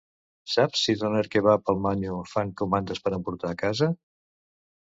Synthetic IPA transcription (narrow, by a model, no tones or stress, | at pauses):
sapsːit̪ənɛɾkeβapəlˠmaɲufaŋkumand̪əspəɾəmpuɾt̪aːkazə